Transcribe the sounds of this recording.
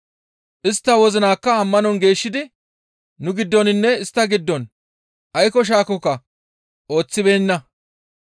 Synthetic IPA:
ʔɪst̪ːɐwɔzɪnaːkːɐːmːɐnɔnɡe̞ːʃːɪd̪ɪ | nʊɡɪd̪ːɔnɪnːɛɪst̪ːɐɡɪd̪ːɔn | ʔɐjkɔʃ̬aːkɔkːɐ | o̞ːt͡sːɪbeːnːɐ

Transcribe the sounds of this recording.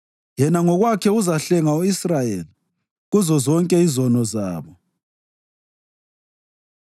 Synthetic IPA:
jɛnaŋɔɣwakʰɛuzaɬɛŋauisrajeli | ɣuzɔzɔŋkʼɛizɔnɔzaːβɔ

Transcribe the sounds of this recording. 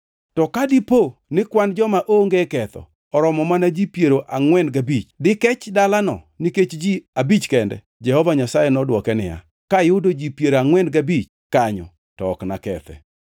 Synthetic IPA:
tɔkadiponɪkwand͡ʒɔmaʔoŋɡekɛt̪ɔ̰ | ɔɾɔmɔmanad͡ʒipjeɾoʔaŋwɛndɡabit͡ʃdɪkɛt͡ʃdalanɔ̰ | niket͡ʃd͡ʒiabit͡ʃkɛndɛ̰ | d͡ʒɛhɔvaɲasajɛnɔdwɔkɛnɪ̰ja̰ | kajʊdod͡ʒipjeɾaŋwɛndɡabit͡ʃ | kaɲɔ̰ | tɔːknakɛt̪ɛ̰

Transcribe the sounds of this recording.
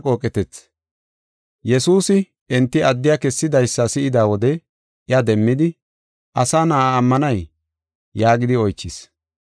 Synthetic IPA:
kʼo̞ːkʼɛt̪ɛt͡s | jɛsuːsɪ | ɛnt̪ːɪɐd̪ːɪjakɛsːɪd̪ɐjsːɐsɪʔɪd̪aːwɔd̪ɛ | ɪɐd̪ɛmːɪd̪ɪ | ʔɐsaːnaːaːmːɐnɐj | jaːɡɪd̪ɪɔjt͡ʃːɪs

